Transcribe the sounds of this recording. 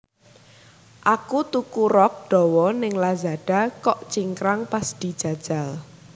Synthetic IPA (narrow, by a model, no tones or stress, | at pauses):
ʔakut̪ukuɾɔk̚ɖ̪̥ɔ̤wɔnɪŋlazaɖ̥a̤kɔʔt͡ʃiŋkɾaŋpasd̪̥i̤d̥ʒ̥a̤d̥ʒ̥a̤l